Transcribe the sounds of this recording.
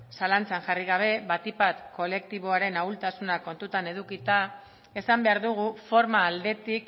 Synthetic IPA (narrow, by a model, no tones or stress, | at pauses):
salant͡saŋʝariɣ̞aβ̞e̞βat̪ipat̪ko̞le̞k̚t̪iβo̞aɾe̞nawlt̪asunako̞nt̪ut̪ane̞ðukit̪a | e̞sambe̞aɾðuɣ̞ufo̞ɾmaːld̪e̞t̪ik